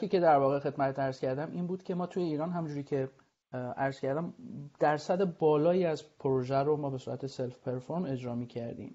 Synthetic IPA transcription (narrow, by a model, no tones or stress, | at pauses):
kʰiːce̞d̪æɾvɒːɣe̞xe̞d̪mæt̪et̪æɾz̥cʰæɾd̪æmʔiːnbuːd̪̥cʲʰe̞mɒːt̪ʰuːjeiːɾɒːnɦæmund͡ʒuːɾiːcʰe̞ | æɾz̥cʰæɾd̪æmd̪̥æɾsæd̪ebɒːlɒːjiːæzpʰoɾoʒæɾomɒːbe̞suːɾæ̰t̪ʰeselfpʰe̞ɾfoɾme̞d͡ʒɾɒːmiːcʰæɾd̪ḭːm